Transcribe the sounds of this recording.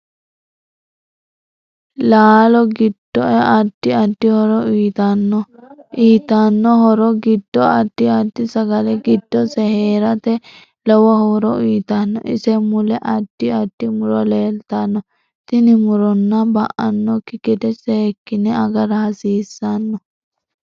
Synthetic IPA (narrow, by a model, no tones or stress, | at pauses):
laːlɔɡɪd̪̥ːɔɛʔɐd̪̥ːɪɐd̪ːɪhɔɾɔiːt̪ɐnːɔʔiːt̪ɐnːɔɦɔɾɔɡɪd̪̥ːɔɐd̪̥ːɪɐd̪ːɪsɐɡɐlɛɡɪd̪̥ːɔsɛheːɾɐt̪ɛ | lɔwɐhɔɾɔiːt̪ɐnːɔ̰ʔɪsɛmʊlɛʔɐd̪̥ːɪɐd̪̥ːɪmʊɾɔleːlt̪ɐnːɔ | t̪ɪnɪmʊɾɔnːɐbɐʔɐ̰nːɔkːɪɡɛt̪ɛsɛhɛkːɪnɛɐɡɐɾɐhɐsiːsːɐnːɔ